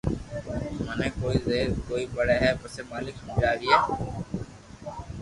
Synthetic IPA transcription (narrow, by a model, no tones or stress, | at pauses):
mənẽːkoːiːzeːɾkoːiːbəɽeːɦɛːpəseːmaːlɪkɦõːd͡ʒaːɡiːɦɛː